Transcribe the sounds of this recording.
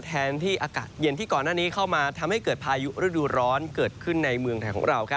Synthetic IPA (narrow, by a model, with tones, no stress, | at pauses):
t̪ʰɛː˦˧nt̪ʰiː˥˩ʔaː˧kaː˨˩t̪̚je˧nt̪ʰiː˥˩kɔː˨˩nːaː˥˩niː˦˥kʰa˥˩wmaː˧t̪ʰa˧mha˥˩jkɤː˨˩t̪̚pʰaː˧ju˦˥ɾu˥˩duː˧ɾɔː˦˥nkɤː˨˩t̪̚kʰɯ˥˩nːa˧jmɯ˧əŋt̪ʰaː˨˩ŋkʰɔ̰ː˩˦ŋɾa˧wkʰa˦˩